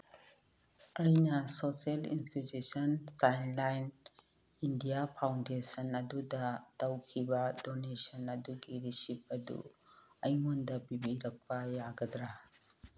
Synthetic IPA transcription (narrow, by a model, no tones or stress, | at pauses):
ɐjnɐsoselḭnstitusɐnsajnlajn | indiapʰawndesɐnɐdudɐtɐwkʰibɐdonesɐnɐduɡiɾisip̚ɐdṵɐjmondɐbibiɾɐk̚pɐjaɡɐdɾa